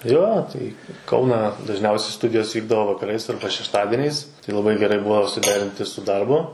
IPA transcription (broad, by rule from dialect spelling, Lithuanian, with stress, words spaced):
ˈjoː tɐɪ ɪ ˈkɐʊnɑː dɐʒʲˈnʲɛʊsʲɛɪ ˈstʊdʲɪjoːs ˈʋʲiːɡdɐʋoː ʋɐkɐˈrɐɪs ɐrbɐ ʃʲɛʃˈtɑːdʲɪnʲɛɪs tɐɪ lˠɐˈbɐɪ ɡʲɛˈrɐɪ ˈbʊɐ sʊˈdʲæːrʲɪnʲtʲɪ sʊ ˈdɐrbʊ